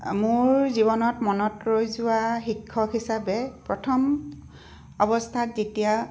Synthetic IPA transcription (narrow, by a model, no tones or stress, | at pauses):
mʊɹziβɔnɔtmɔnɔtɹojzʊwaxikʰːɔkhisabɛpɹɔtʰɔm | ɔbɔstʰatzetija